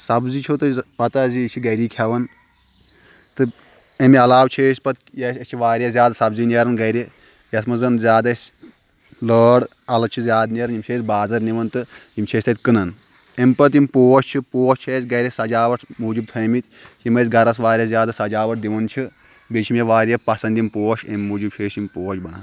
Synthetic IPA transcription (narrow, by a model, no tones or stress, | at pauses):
sɐbzit͡ʃʰot̪ɨpɐt̪ɐzit͡ʃʰiɡɐɾiːkʲʰɐʋɐn | t̪ɨ | ɐmiɐlaːwt͡ʃʰeːsʲpɐt̪jɐsɐt͡ʃʰiʋaːɾjɐzʲjaːd̪sɐbzinieɐɾɐnɡɐɾi | jɐsmɐzɐnzʲaːd̪ɐsʲ | ləːɽ | ɐlɐt͡ʃʰizʲjaːd̪niɐɾɐnimʲt͡ʃʰeːsʲbaːzɐɾniʋɐnt̪ɨimʲt͡ʃʰesʲt̪ɐt̪ʲkɨnɐn | emʲpɐt̪̬imʲpoːʃʲt͡ʃʰipoːʃʲt͡ʃʰeːsʲɡɐɾʲisɐd͡ʒaːʋɐʈʰmuːd͡ʒib̚t̪ʰɐmit̪ʲ | jimɐsʲɡɐɾɐsʋaːɾʲjɐzjaːd̪ɨsɐd͡ʒaːʋɐʈ̚ʰd̪iʋɐnt͡ʃʰi | bet͡ʃʰimjɐʋaːɾjɐpɐsɐnd̪imʲpoːʃemʲimuːd͡ʒib̚t͡ʃʰeːʃimʲpoːt͡ʃʲbɐɳa̰ːn